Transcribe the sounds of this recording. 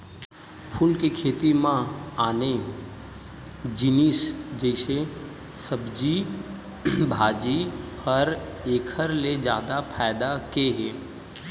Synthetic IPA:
pʰʊlkekʰeːt̪imãaːne | d͡ʒɪnisd͡ʒəɪse | səbd͡ʒi | bʱaːd͡ʒipʰɐɾ | eːkʰəɾled͡ʒjaːd̪apʰaːɪd̪akeɦeː

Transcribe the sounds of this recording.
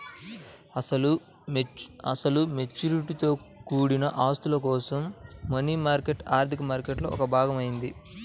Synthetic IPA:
ɐɐlu | ɐsɐlume̞t͡ʃːuɾiʈit̪o̞ː | kuːɽinɐʔaːst̪ulɐkɔːsɐmːɐniːmaːɾkeʈaːɾt̪ʰikɐmaːɾkeʈlo̞ːɔkɐbʱaːɡɐmɐjind̪i

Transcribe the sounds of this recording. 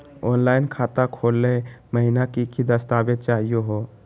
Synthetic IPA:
onlainkʰat̪akʰolːeməɦinakikid̪əst̪abet͡ʃaɦijoɦo

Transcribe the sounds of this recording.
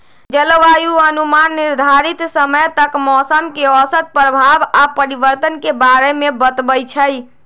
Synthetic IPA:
d͡ʒəlʋajuənumanːiɾd̪ʱaɾit̪səməjt̪əkmɔsəmkeɔsət̪̚pɾəbʱabapəɾibəɾt̪ənkebaɾemebət̪bəjt͡ʃʰəj

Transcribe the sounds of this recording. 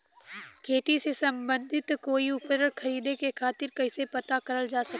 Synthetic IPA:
kʰeːʈisesɐ̃mbə̃nd̪ʱɪt̪koːiʊpɾəɾxʰɐɾiːd̪ekekʰaːt̪ɪɾkɐɪsepɐt̪akɐɾəld͡ʒaːsɐk

